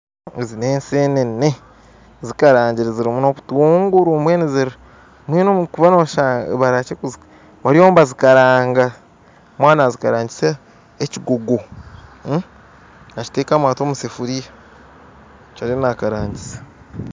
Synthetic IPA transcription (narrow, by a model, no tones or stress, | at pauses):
ezineːnseːnenne | zikaɾaːɲɟiɾeziɾimuno̞βutuːŋɡuɾumweːneziɾ | mweːnomkuβanoβʃaβaɾaːt͡ʃekuzik | βaɾioːmbazikaɾaːŋɡa | mwaːnazikaɾaːɲɟise | eciɡo̞ɡo | aci̥teːkamwaːtoːmusefuɾija | t͡ʃaɾinakaɾaːɲɟisḁ